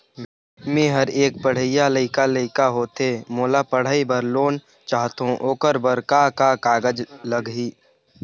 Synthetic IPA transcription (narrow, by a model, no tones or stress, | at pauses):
mẽɦəɾeːkpəɽ̤əɪjaləɪkaləɪkaɦoːt̪emoːlapəɽ̤aibəɾloːn | t͡ʃaːɦt̪õʔoːkəɾbəɾkakakaːɡəd͡ʒləɡɦiː